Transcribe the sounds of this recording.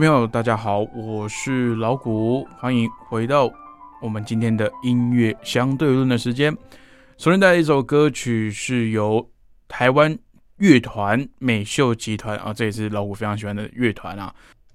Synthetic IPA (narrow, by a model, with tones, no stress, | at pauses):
pʰə˧˥ŋjo˨˩ʊt̪a˥˩t͡ɕja˥xɑ˨˩˦ʊwɔ˨˩ʂɻ̩˥˩lɑ˧˥ʊku˨˩˦xwa˧˥ŋi˧˥ŋxwe˧˥ɪt̪ɑ˥˩ʊwɔ˨˩mə˦nt͡ɕi˥nt̪ʰjɛ˥nd̪ə˨i˥nɥɛ˥˩ɕjɑ˥ŋt̪we˥˧ɪlwə˥˩nd̪ə˩ʂɻ̩˧˥t͡ɕjɛ˥n | so˧˥t̪a˥˩˧i˥˩o˨˧˩ʊkɤ˥t͡ɕʰy˨˩ʂɻ̩˥˩jo˧˥ʊ | t̪ʰa˧˥ɪwa˥n | ɥɛ˥˩t̪ʰwa˧˥nme˨˩ɪɕjo˥˩ʊt͡ɕi˧˥t̪ʰwa˧˥nʔə̰˧ʈ͡ʂɤ˥˩jɛ˨˩ʂɻ̩˥˩lɑ˧˥ʊku˨˩fe˥ɪɑ˧˦ŋɕi˨˩wa˥nd̪ə̰˧ɥɛ˥˩t̪ʰwa̰˧˥nɐ̰˨